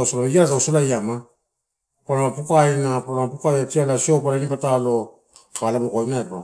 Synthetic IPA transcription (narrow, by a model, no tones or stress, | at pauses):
osolaiasaosolajama | paɾamapukajnapanamapukajatialasio̞paɾanipatalo̞ | kalamukoinaepo